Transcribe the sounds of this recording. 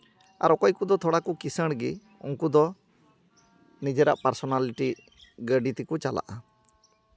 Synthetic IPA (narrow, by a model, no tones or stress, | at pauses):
a̰ɾɔkɔjkud̪ɔt̪ʰɔɽakukisəɽ̃ɡi | ṵŋkud̪ɔ | nid͡ʒeɾa̰ʔpaɾsɔnaliʈi | ɡəɖit̪ikut͡ʃala̰ʔa